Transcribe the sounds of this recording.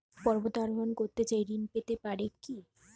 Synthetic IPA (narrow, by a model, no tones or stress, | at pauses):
pɔɾbot̪aɾmankoɾt̪et͡ɕajɾinpet̪epaɾeki